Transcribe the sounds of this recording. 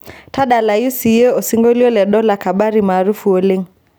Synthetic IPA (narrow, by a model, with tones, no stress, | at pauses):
ta˦ɗa˨la˨ju˦si˨je˦o˨si˦ŋɡo˦li˦ɔ˦lɛ˨ɗɔ˦la˨ka˨ɓa˦ɾi˨maː˨ɾu˦fu˨o˦lɪ˦ŋ